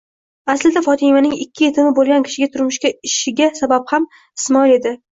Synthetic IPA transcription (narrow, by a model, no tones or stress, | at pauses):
aslɪd̪afɒt̪ʰɪmanɪŋɪkʲːɪje̞t̪ʰɪmɪbolˠɡʲankʲʰɪ̥ʃɪɡʲat̪ʰʊɾmʊʃkʲaɪʃɪɡʲasabapham | ɪsmɒle̞d̪ɪ